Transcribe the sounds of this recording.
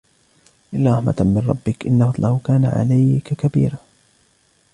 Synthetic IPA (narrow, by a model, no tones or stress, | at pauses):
ʔɪlːaɾˤɑħma̰t̪mɪnɾˤɑ̰bːɪkʔɪnːahɑd̪ˤlʔɑhʊkaːna̰ʕa̰lajkakabḭːɾaː